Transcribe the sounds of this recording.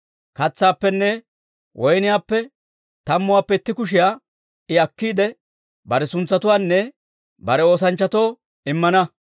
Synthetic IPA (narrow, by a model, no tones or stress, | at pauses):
kɐt͡sːaːpːɛnːɛ | wʔɔjnɪjaːpːɛ | t̪ɐmːʊwaːpːɛɪt̪ːɪkʊʃ̬ɪjaː | ɪɐkːiːd̪ɛ | bɐɾɛsʊnt͡sːɐt̪ʊwaːnːɛ | bɐɾɛo̞ːs̬ɐnt͡ʃːɐt̪o̞ː | ɪmːɐnɐ